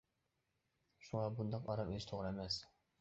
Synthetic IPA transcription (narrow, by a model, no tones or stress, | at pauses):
ʃuŋɑbund̪ɑqɑɾɑmeɪʃt̪ʰoʁɾɛmɛs